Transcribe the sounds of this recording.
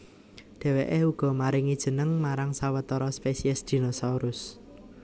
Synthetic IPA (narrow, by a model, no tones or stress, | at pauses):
ɖ̪̥ɛ̤weʔeuɡ̥ɔ̤maɾɪŋid̥ʒ̥ə̤nəŋmaɾaŋsawət̪ɔɾɔspesiɛsd̪̥i̤nosauɾʔʊs